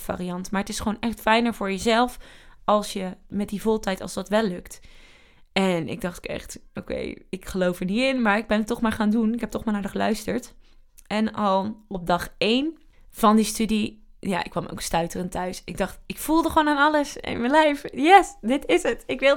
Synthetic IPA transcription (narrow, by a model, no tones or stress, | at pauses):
fa̰ːriɑntmaːɹətɪsχəʋownʔɛχtfɛjnəɹvʊːɹjəzɛlˠfɑlˠsjəmɛt̚divolˠtɛjtɑ̰lˠsdɑtʋɛlːɵkt | ɛnɪ̰ɡ̚dɑχtɪkɛ̰χtʔowkḛjɪkχəlowfəɹnitɪnmaːɹɪɡ̚bɛnətɔχmaːɹχaːndunɪkɦɛp̚tɔχmaːɹnaːdəχəlœɥstəɹt | ɛnɑlˠɔp̚dɑχejn | v̥ɑndistydija̰ːʔɪkːʋɑmo̰wkstœɥtərəntœɥsɪɡ̚dɑχtɪkfulˠdəχʋownaːnɑləsɪ̰nmənlɛjfjɛsdɪtɪsətɪkʋɪ